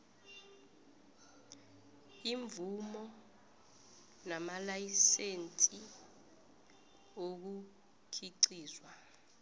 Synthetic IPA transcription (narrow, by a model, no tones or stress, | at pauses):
iɱvʱumɔ | namalajisent͡sʼi | ok̬u | kʰiǀiːzwa